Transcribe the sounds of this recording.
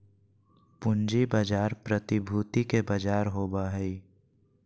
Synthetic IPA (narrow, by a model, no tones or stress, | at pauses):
pʊnd͡ʒibad͡ʒaːɾpɾət̪ɪbʱuːt̪ikebəd͡ʒaːɾɦoːbaɦɛi